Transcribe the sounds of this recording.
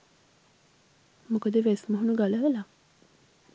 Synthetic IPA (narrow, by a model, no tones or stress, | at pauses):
mukəd̪eʋesmoɦunuɡalɐʋela